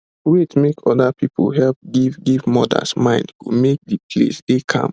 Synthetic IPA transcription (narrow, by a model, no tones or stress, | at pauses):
wetmekɔdapʰipo̰lɦɛlp̚ɡivɡivmɔda̰smãɪ̃ndkumek̚dipʰlḛsdekʰã̰m